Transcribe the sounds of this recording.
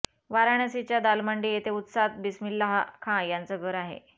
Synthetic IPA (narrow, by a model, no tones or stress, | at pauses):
ʋaɾaɽ̃əsit͡ɕjad̪alməɳɖiet̪eut̪sat̪̚bismilːaɦakʰãjant͡səɡʱəɾaɦḛ